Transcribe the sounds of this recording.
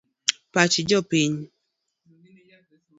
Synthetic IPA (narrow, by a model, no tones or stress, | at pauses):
pat͡ʃid͡ʒɔpiɲ